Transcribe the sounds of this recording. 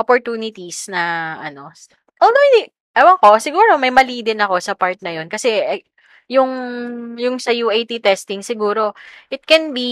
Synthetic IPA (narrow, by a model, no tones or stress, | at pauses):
ʔopoɹt̪uːnɪt̪isnɐʔɐno̞ | ʔoːld̪owɪd̪i | ʔɐwɐko̞sɪɡuːɾo̞mɐjmɐliːd̪ɪnɐko̞sɐpaɹt̪̚nɐjo̞nkɐsɛ | jʊŋjʊŋsɐjuʔɐjt̪it̪ɛst̪ɪŋsɪɡuːɾo̞ʔɪt̪̚kɛnbi